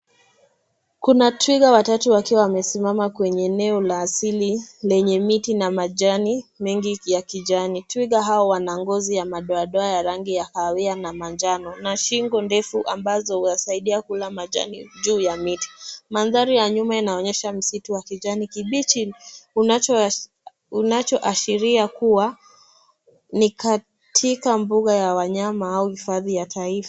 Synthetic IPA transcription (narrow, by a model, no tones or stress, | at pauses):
kunatwiɠawatatuwakiwawamɛsimamakwɛɲɛːnɛɔlaːsililɛɲɛmitinamaʄanimɛŋɡijakiʄanitwiɠaɦaɔwanaŋɡɔzijamaɗɔaɗɔajaɾaŋɡijakawɛanamand͡ʒanɔnaʃiŋɡɔndɛfuʔambazɔhuasaiɗiakulamaʄa̰niʄuːjamiti̥manðaɾijaɲumainaɔɲɛʃam̩situwakiʄanikiɓit͡ʃiun | unat͡ʃɔʔaʃiɾiakuwa | nika | tʰikambuɠajawaɲamaauhifaðijatʰaifa